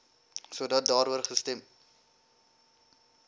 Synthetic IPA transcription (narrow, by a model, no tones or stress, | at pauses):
suədɐt̚dɑːɾuərχəstɛm